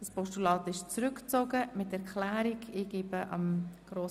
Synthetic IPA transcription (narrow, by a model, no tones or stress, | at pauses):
d̥ɑspɔʃtulɑːtɪʃt͡sɾʏkt͡soɡəmɪtɛʁkʰlæːɾɪɡeːɡ̥eːbəʔɑ̰mɡ̥ɾoːs